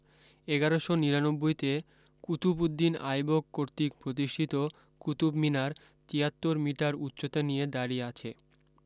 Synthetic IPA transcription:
eɡaɾoʃoniɾanobːojt̪e | kut̪ubud̪ːina̰jbokkoɾt̪ikpɾot̪̬iʃʈʰit̪o | kut̪ubminaɾ | t̪iɦat̪ːoɾmiʈaɾutːɕot̪enijed̪aɾieat͡ɕʰḛ

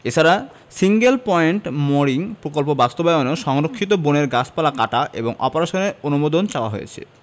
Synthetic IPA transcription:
et͡ɕʰaɾa | siŋɡelpɔeɳʈmoɾiŋpɾokolpobast̪obaonoʃɔŋɾokʰːit̪̬oboneɾɡat͡ɕʰpalakaʈaʔḛboŋɔ̰poɾaʃoneɾonumod̪ont͡ɕaoa̰ɦojḛt͡ɕʰḛ

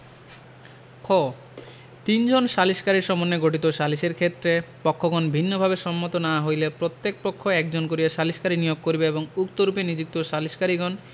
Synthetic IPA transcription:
kʰo | t̪ind͡ʑonʃaliʃkaɾiɾʃɔmonːeɡoʈit̪oʃaliʃeɾkʰet̪ːɾepɔkʰːoɡɔnbʱinːobʱabeʃɔmːot̪onaaɦojlepɾot̪ːek̚pokʰːoɛkd͡ʑonkoɾijaʃaliʃkaɾinijoɡ̚koɾbeeboŋuk̚t̪oɾupenid͡ʑuk̚t̪oʃaliʃkaɾiɡɔn

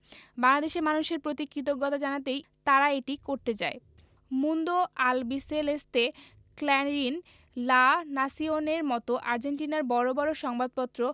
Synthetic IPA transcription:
baŋlad̪eʃeɾmanuʃeɾpɾot̪ikːɾit̪̬oɡɔt̪ad͡ʑanat̪ejt̪aɾaeʈikoɾt̪et͡ɕa̰e | mund̪oalbiselest̪e | klɛnɾin | lanasioneɾmɔt̪oʔaɾd͡ʑeɳʈinaɾbɔɾobɔɾoʃɔŋbad̪̚pɔt̪ːɾo

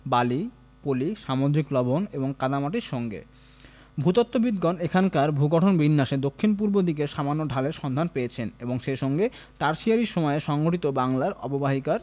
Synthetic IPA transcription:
bali | poliʃamod̪ɾiklɔboneboŋkad̪amaʈiɾʃɔŋɡḛ | bʱut̪ot̪ːobid̪ɡɔnekʰankaɾbʱuɡɔʈʰonbinːaʃed̪okʰːinp̬uɾbod̪ikeʃamanːoɖʱaleɾʃɔnd̪ʱanpejet͡ɕʰeneboŋʃeʃɔŋɡe | ʈaɾʃiaɾiɾʃɔmɔeʃɔŋɡoʈit̪obaŋlaɾɔ̰bobaɦikaɾ

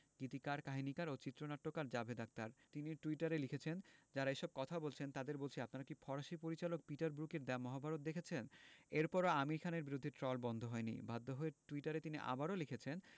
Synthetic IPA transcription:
ɡ̥it̪ikaɾkaɦinikaɾot͡ɕit̪ːɾonaʈːokaɾd͡ʑabʱed̪ak̚t̪aɾt̪iniʈuiʈaɾelikʰet͡ɕʰend͡ʑaɾaeʃɔb̚kɔt̪ʰabolt͡ɕʰent̪ad̪eɾbolt͡ɕʰiapnaɾakifʰɔɾaʃipoɾit͡ɕalok̚piʈaɾbɾukeɾd̪ɛmɔɦabʱaɾot̪̚d̪ekʰet͡ɕʰeneɾpɔɾoamiɾkʰaneɾbiɾod̪ʱːeʈɾɔlbɔnd̪ʱoɦɔenḭbʱad̪ːoɦoeʈuiʈaɾet̪iniʔa̰baɾolikʰet͡ɕʰen

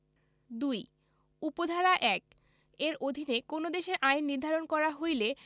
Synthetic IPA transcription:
d̪uj | upod̪ʱaɾaʔɛk | eɾod̪ʱinekonod̪eʃeɾʔajnːiɾd̪ʱaɾonkɔɾaɦojle

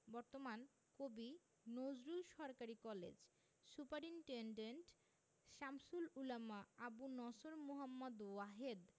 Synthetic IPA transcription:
bɔɾt̪oman | kobi | nod͡ʑɾulʃɔɾkaɾikɔlḛd͡ʑ | supaɾiɳʈeɳɖeɳʈ | ʃamsululamaabunɔsoɾmoɦamːad̪waɦed̪

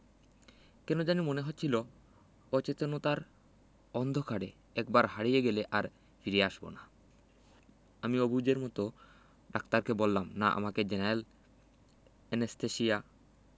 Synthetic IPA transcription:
kɛnod͡ʑanimoneɦot̪ːt͡ɕʰilo | ɔt͡ɕet̪onot̪aɾ | ɔnd̪ʱokʰaɽe | ɛk̚baɾɦaɽijeɡeleʔaɾ | fʰiɾeaʃbo̰na | amiobud͡ʑeɾmɔt̪o | ɖakt̪aɾkebolːamnaʔa̰maked͡ʑenael | enest̪eʃija

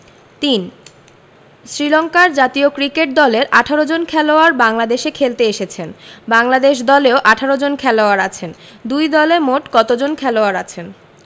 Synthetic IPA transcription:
t̪in | sɾilɔŋkaɾd͡ʑat̪iokɾikeʈ̚d̪ɔleɾʔaʈʰaɾod͡ʑonkʰɛloaɾbaŋlad̪eʃekʰelt̪eeʃet͡ɕʰenbaŋlad̪eʃ̬d̪ɔleoʔaʈʰaɾod͡ʑonkʰɛloaɾat͡ɕʰen | d̪ujd̪ɔleɾmoʈkɔt̪od͡ʑonkʰɛloaɾat͡ɕʰen

